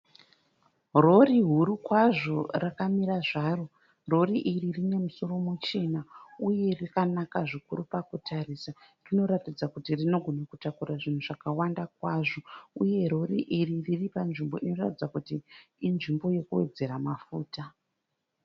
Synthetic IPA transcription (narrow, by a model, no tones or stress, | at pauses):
ro̞riɦuɾukwaʐo̞rakamiɾaʐaːro | ro̞riʔiririne̞muso̞ro̞mut͡ʃe̞nauje̞rikanakaʐikuɾupakutarisa | rino̞ɾatid͡zakutirino̞ɡʱo̞nakutakuraʐin̤uʐakawandak̚waʐo̞uje̞ɾo̞riʔiririripanʐimbo̞ʔino̞ratid͡zakutiːnʐimbo̞je̞kuwe̞d͡ze̞ɾamafuːta